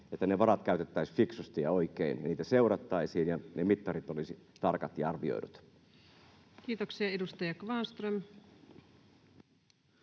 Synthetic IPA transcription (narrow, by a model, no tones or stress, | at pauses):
et̪ːæneʋɑɾɑt̪kæyt̪et̪ːæisfiksust̪iɑoikeinjɑniːt̪æseurɑt̪ːɑisiːnjɑnemit̪ːɑrit̪olisit̪ɑrkɑt̪jɑɑrʋio̰idut̪ | kiːt̪oksiɑedust̪ɑjɑkʋɑnst̪røm